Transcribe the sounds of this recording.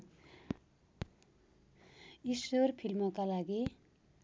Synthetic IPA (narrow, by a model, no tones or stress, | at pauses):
isworpʰilmʌkalaɡi